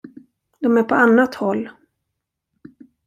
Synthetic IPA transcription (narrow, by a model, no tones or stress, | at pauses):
d̪ɔmæɾpʰɔanːat̪hɔlː